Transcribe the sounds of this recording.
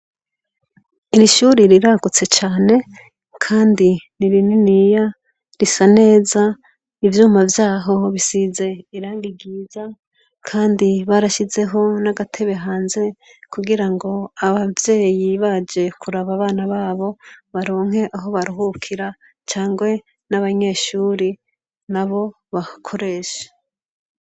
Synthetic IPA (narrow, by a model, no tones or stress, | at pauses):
iɾiʃuːɾiɾiɾaɡut͡se̞t͡ʃaːne̞ | kʰaːndiniɾininija | ɾisane̞ːza | ivjuːmavjaːɦo̞βisize̞iɾaːŋɡiɡiːza | kʰaːndiβaɾaʃize̞ɦo̞naɡatʰe̞βe̞ɦaːnze̞ | kuɡiɾaŋɡo̞aβavje̞ːjiβad͡ʒe̞kʰuɾaβaβaːnaβaːβo̞βaɾo̞ːŋ̥ɦe̞ʔaɦo̞βaɾuɦukʰiɾa | t͡ʃaːŋɡwe̞ | naβaɲe̞ːʃuːɾi | naβo̞ | βakʰo̞ɾe̞ːʃe̥